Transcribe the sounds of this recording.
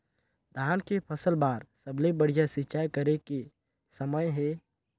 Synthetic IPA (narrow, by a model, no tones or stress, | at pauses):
d̪ʱaːnkepʰəsəlbaːɾsəblebəɽ̤ijasɪt͡ʃaːjkəɾeke | səməjɦɛː